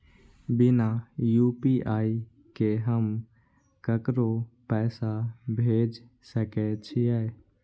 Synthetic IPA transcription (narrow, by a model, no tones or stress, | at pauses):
bɪnajupiʔaːi | keɦəm | kəkɾopɛːsabʱeːd͡ʒ | səkɛt͡ʃʰijae